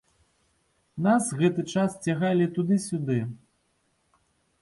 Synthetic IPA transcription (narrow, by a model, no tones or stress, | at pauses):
nasɣɛt̪ɨt͡ʂast͡sʲaɣalʲit̪ud̪ɨsʲud̪ɨ